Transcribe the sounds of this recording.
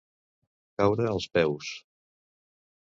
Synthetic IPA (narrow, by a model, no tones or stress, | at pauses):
kawðəːlˠspɛws